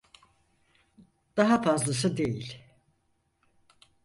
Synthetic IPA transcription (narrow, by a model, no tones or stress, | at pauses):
d̪̥aɦafazlˠasɯd̪e̞jilʲ